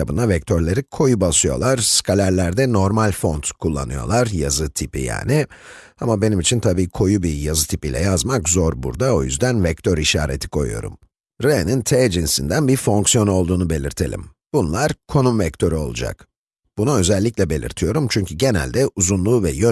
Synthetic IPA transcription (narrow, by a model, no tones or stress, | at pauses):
abɯnd̪avɛc̚t̪ʰøɾlʲeɾikʰo̞jubasɯjo̞̰lˠaɾ̥skʰalʲæɾlʲæɾd̪ɛno̞ɾmalʲfo̞nt̪kʰulˠːa̰nɯjo̞̰lˠaɾjazɯt̪ʰipḭja̰ːni | amabe̞nimit͡ʃʰint̪ʰabiːkʰo̞jubijazɯt̪ʰipiːlʲɛ̰jazmakzo̞ɾbṵɾd̪ao̞jy̰zd̪ænvɛct̪ʰøɾiʃaːɾḛt̪ʰi̥kʰo̞̰jṵjo̞̰ɾṵm | ɾenint̪ʰɛd͡ʒinsind̪ænbiɾfo̞ŋksijo̞no̞lˠd̪uːnube̞lʲḭɾt̪ʰe̞lʲḭm | b̥unlˠaɾkʰo̞numvɛct̪ʰø̞ɾyo̞lˠud͡ʒa̰k | b̥unuø̞zɛlʲːiclʲɛbe̞lʲḭɾt̪ʰijo̞ɾumt͡ʃʰyɲcʰyɟe̞næ̰lʲd̪ɛuzunlˠuːvɛjø